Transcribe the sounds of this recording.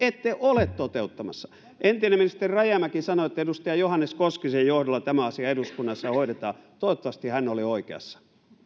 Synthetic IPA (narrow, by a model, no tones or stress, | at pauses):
et̪ːeʔolet̪t̪ot̪eut̪ːɑmɑsːɑ̥ | ʔent̪ineminist̪erirɑjæmækisɑnoet̪ːæedust̪ɑjɑjohɑnːeskoskisejjohdolːˑɑt̪æmæɑsiɑeɾuskunːɑsːɑhoiɾet̪ɑːt̪oot̪ːɑʋɑst̪ihænːolioikḛɑ̰sːɑ̥